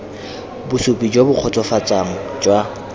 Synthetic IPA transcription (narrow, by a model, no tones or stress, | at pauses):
bʊsʊpʼid͡ʒwabʊq͡χʰɔt͡sʼɔfat͡sʼaŋ̩d͡ʒwa